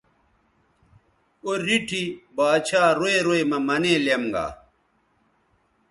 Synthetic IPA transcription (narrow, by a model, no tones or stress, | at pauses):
oɾiʈʰibaːt͡ɕʰaːɾoeɾoemɐmɐneːlemɡa̰ː